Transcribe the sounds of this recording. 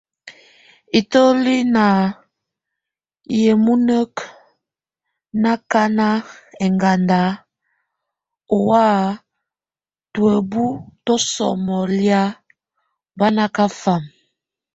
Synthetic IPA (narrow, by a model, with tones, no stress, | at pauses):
i˨to˦li˦na˨ | je˨mu˦nə˦k | na˦ka˦na˦ɛ˨ŋɡa˨nda˨˦ | o˨wa˦ | twe˨bu˦to˦sɔ̰˨mɔ˨lja˦ | ba˦na˦ka˦fa˨m